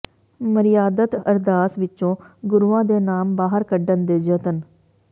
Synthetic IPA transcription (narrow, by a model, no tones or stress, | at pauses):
məɾɪjaːd̪ət̪əɾd̪aːsʋɪtːʃõːɡʊɾʋãːd̪eːnaːmbaːɦəɾkəɖənd̪eːd͡ʒət̪ən